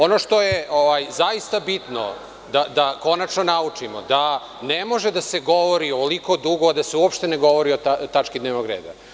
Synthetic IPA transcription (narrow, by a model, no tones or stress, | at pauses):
o̞noʂt̪ojeʔoʋajzaist̪abit̪no̰ | d̪ad̪ako̞nat͡ʃnonaut͡ʂimo̰d̪a | nemo̞ʒed̪aseɡo̞ʋo̞ɾioliko̞d̪uɡoad̪aseuopʃt̪e̞neɡo̞ʋo̞ɾiot̪at̪at͡ʃkid̪neːʋnoɡɾeːd̪a̰